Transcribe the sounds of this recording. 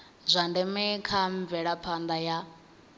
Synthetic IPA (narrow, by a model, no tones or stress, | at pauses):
b͡ʐʷandɛmɛkʰaɱb̪vɛɺapʰand̪aja